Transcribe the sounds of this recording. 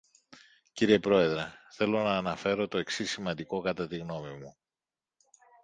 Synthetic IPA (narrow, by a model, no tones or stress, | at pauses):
ciɾie̞pɾo̞e̞ðɾe̞θe̞lo̞nɐːnɐfe̞ɾo̞t̪o̞e̞ksisimɐnd̪iko̞kɐt̪ɐt̪iɣno̞mimu